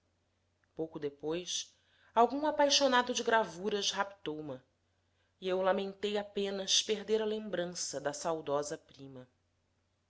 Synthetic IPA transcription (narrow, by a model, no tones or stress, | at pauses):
powkʊd̪epojs | awɡũŋapajʃonad̪ʊd͡ʒɪɡɾavuɾɐʃɦapt̪owmɐ | iewlamẽnt̪ejapẽnɐʃpeɦd̪eɾɐlẽmbɾɐ̃sɐd̪ɐsawd̪ɔzɐpɾĩmɐ